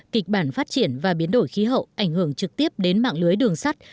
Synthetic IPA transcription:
ki˨˩k̟̚ɓaː˧˩nfaː˦˥t̚t͡ɕi˧˩ənvaː˨˩ɓi˨˦ənɗo˧˩jxi˨˦ɦə̰˧˨wʔa˧˩jŋ̟hɨ˧˩əŋt͡ɕɨ˨˩k̚t̪i˦˥əp̚ɗe˨˦nma̰ː˧˨ŋlɨ˨˦əjɗɨ˨˩əŋsa˦˥t̚

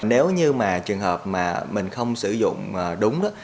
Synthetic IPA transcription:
ne˨˦wɲɨ˧maː˨˩t͡ɕɨ˨˩əŋɦəː˨˩p̚maː˨˩mï˨˩ŋ̟xə˧wŋ͡msɨ˧˩zʊ̰˧˨ŋ͡mʔːɗʊ˨˦ŋ͡mɗa˨˦

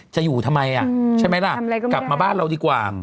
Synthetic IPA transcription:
t͡ɕa˨˩ʔjuː˨˩t̪ʰa˧mːa˧jʔa˨˩t͡ɕʰa˥˩jma˦˥jla˦˥˩kla˨˩p̚maː˧baː˥˩nɾa˧wdiː˧kwaː˨˩

